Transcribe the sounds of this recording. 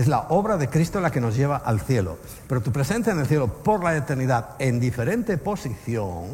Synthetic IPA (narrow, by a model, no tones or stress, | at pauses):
ezla̰ʔoβɾaðe̞kɾist̪olake̞no̞zʝe̞β̞aʔalθje̞lo̰ | pe̞ɾot̪upɾe̞se̞nθjaene̞lθje̞lopo̞ɾlaet̪eɾniðaðend̪ife̞ɾe̞nt̪e̞po̞siθjo̰ŋ